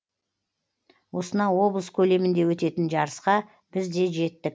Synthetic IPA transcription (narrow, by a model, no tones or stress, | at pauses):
wo̞sənɑwo̞blˠəskʲʰɵle̞mɪnd̪e̞wɵt̪e̞t̪ɪnʒɑɾəsqɑ | b̥ɪzd̪e̞ʒe̞t̪ːɪk̚